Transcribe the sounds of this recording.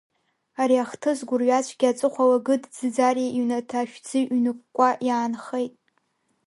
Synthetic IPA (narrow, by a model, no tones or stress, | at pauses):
aɾiaχtʰɨzɡʷʊrɥat͡ʃʷʰʼɡʲiat͡sʷʼɨχʷalaɡɨdd͡zɨd͡zariʔiɥnatʰaʃᶣd͡zɨnɨk̚ʷʼkʷʼajaːnχejtʼ